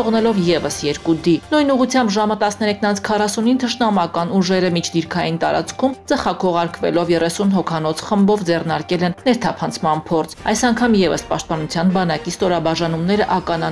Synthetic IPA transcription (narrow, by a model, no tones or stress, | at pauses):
ɔʁnɛlɔvjɛvəsjɛɾkud̪inujnuʁut͡sʰjɑmbʒɑmət̪ɑsnɛɾɛkʰnɑnt͡sʰkʰɑrɑsunint̪ʰəʃnɑmɑkɑnuʒɛɾəmit͡ʃʰd̪iɾkʰɑjint̪ɑɾɑ̰t͡skʰumt͡səχɑkʰɔʁɑɾkvɛ̰lɔvjɛrɛsunɦɔkʰɑn̪ɔt͡sʰχəmbɔvd͡zɛrnɑɾkɛlɛnːɛɾt̪ʰɑpʰɑnt͡sʰmɑnpʰɔɾt͡sʰɑjsɑŋkʰɑmjɛvə̰spɑ̰ʃt̪̚pɑnut͡sʰjɑnbɑnɑkist̪ɔɾɑbɑʒɑnumnɛɾəʔɑkɑnɑ